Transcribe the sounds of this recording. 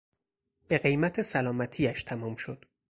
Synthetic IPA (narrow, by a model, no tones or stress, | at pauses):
b̥e̞ɢe̞jmæt̪ʰesælɒːmæt̪ʰiːæʃt̪ʰæmɒːmʃod̪̥